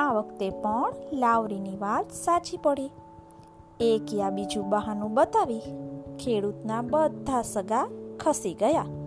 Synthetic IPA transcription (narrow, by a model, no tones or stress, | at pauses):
aʋəkt̪epəɳlaʋɾiniʋat̪sat͡ʃipəɽi | ekiabid͡ʒũbəɦanũbət̪aʋikʰeɽut̪nabəd̪ʱːasəɡakʰəsiɡəja